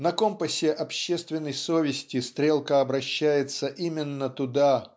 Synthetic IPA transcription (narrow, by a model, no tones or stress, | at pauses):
nɐko̞mpəsʲɪʔɐpɕːe̞st̪vʲɪnːəjsovʲɪsʲtʲɪst̪ɾʲe̞lˠkəɐbɾɐɕːæjɪt̪səʔimʲɪnːət̪ʊd̪a